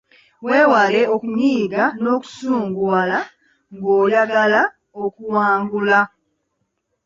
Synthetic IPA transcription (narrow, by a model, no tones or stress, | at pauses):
weːwale̞o̞kumiːɡano̞ːku̥suːŋɡuala | ŋɡoːjaɡala | okuwaːŋɡula